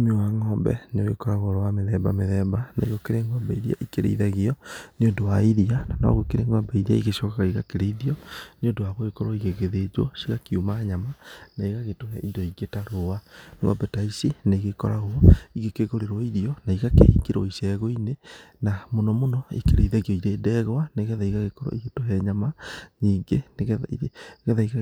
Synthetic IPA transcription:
mewaŋɔːmbɛ̰neoɣekɔɾaɣɔɾɔwameðɛba̰meðɛbana̰iɣokeɾeŋɔːmbɛiɾia̰ʔikeɾḛiðɛɣeɔneodowaiɾiananɔ̰ɣokeɾeŋɔːmbɛiɾia̰iɣeʃɔkakaiɣakeɾeiðiɔneondowaɣoekɔɾɔiɣeɣeðed͡ʒwɔ̰siɣakiumaːɲamanaiɣaɣetoɾɛʔindɔiɡetaɾoaŋwa̰bɛtaisinaiɣekɔ̰ɾaɣoiɣekeɣoɾeɾɔiɾiɔnaiɣakḛikiɾɔ̰isɛɣoinenamonɔmonɔḛkeɾeiðɛɡiɔiɾeːdɛɣwaneɣɛðaiɣaɣekɔɾɔ̰iɣetoɦɛɲamaɲiːŋɡeneɣ | ɣɛðaiɣ

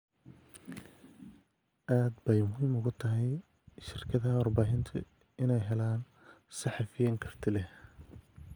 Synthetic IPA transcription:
ʔaːd̪bɛjmʊɦiːmʊɣʊt̪ʰɐɦɛj | ʃɪrkʰɐðɐɦɐwɑrbaːɦɪnt̪ʰʊ̰ | ɪnɛjɦɛlaːn | sɑħɑfɪjɐŋkʰɐr̥t̪ʰɪlɛh

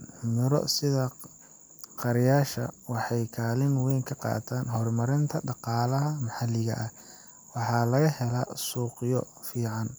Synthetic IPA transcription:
mɪɾɔ̰sɪðɐ | qɑɾjaːʃɐ̰wɑħɑjkʰaːlɪnwɛjŋkʰɐqɑ̰ːt̪ʰaːnɦɔrmɐɾɪnt̪ʰɐɖɑqɑːlɐɦɐmɐħɑlɪɣɐ̰ʔɐ | wɑħɑːlɐɣɐhɛlɐsuːqjɔ | fiːʕɑn

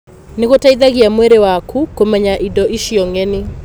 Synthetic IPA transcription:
neɣotaiðaɣiamwɛɾewakʰukomɛɲaʔidɔʔiʃiɔŋɛne

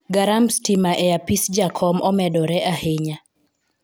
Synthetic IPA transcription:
ɡaɾamstimaʔɛjapisd͡ʒakʰɔmɔmɛdɔɾɛʔaheɲa

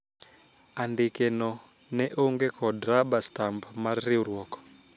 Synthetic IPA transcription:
andɪkenɔ | nɛʔoŋɡekʰɔdɾabastampmarːɪuɾwɔkɔ̥

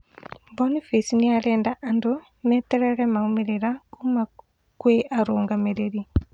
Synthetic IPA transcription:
bonifisniaɾɛːndaʔando | mɛtɛɾɛɾɛmaumeɾeɾakuma | kweʔaɾoːŋɡameɾeɾi

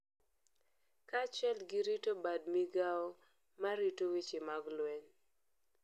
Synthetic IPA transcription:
kat͡ʃɛlɡɪɾitobad̚miɡao | maɾitowit͡ʃɪmaɡlwɛɲ

